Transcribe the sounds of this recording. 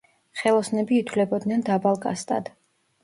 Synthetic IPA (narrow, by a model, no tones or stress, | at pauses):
χɛlˠɔsnɛbiːt̪ʰwlɛbɔd̪nɛnd̪abalˠkʼa̰st̪ʼa̰d̪̥